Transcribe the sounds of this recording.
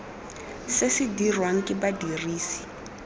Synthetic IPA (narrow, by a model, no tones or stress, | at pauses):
sɪsɪdirwaŋ̩kʼɪbadiriːsi̥